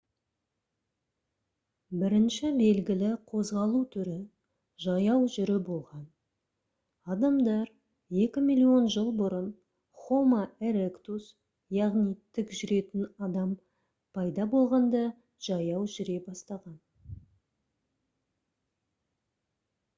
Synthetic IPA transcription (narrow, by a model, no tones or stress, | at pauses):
bɪɾɪnʃɪbe̞lɡʲɪlɪqʰo̞zʁɑlˠut̪ʰʏɾɪ | ʒɑjɑwʒʏɾɪbo̞lˠʁɑn | ɑd̪ɑmd̪ɑɾ | e̞kʲɪmilʲio̞nʒəlˠbʊɾən | χomaeɾekt̪us | jɑʁnijt̪ʰʏkʒʏɾe̞t̪ɪnɑd̪ɑm | pʰɑjd̪ɑbo̞lˠʁɑnd̪ɑ | ʒ̥ɑjɑwʒʏɾe̞bɑst̪ɑʁɑn